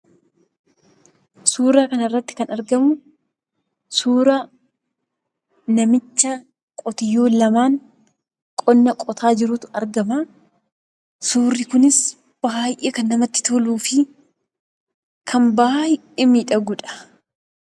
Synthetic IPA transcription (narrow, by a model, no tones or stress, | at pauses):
suːɾaːkɐnɪrːɐt̪ːɪ̥kɐnɐɾɡɐmʊ | suːɾa | nɐmɪt͡ʃːɐ | kʼɔt̪ɪjːoːlɐmaːŋ | kʼɔnːɐkʼɔt̪ʰaːd͡ʒɪɾʊt̪ʊɐɾɡɐmɐ | suːrːɪkʊnɪs | b̥aːjʔeːkɐnːɐmɐt̪ːɪ̥t̪oluːfɪ | kʰɐmbaːjɪ | ɪmiːᶑɐɡʊᶑɐ̥